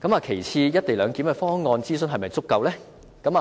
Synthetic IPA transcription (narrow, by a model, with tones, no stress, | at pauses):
kɐ˨˥maː˨˧kʰe˨˩jt͡sʰiː˧jɐ˥t̚t̪e˨jlœː˨˧ŋkiː˨˥mkɛ˧fɔː˥ŋɔː˧nt͡siː˥s̬ɵ˧˥nɦɐ˨jmɐ˨jt͡sʊ˥kːɐ˧wlɛː˥ | kɐ˨˥maː˨